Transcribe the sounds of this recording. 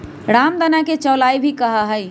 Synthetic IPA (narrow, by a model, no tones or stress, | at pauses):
ɾamd̪ənaket͡ʃəlaibʱikəɦəɦəj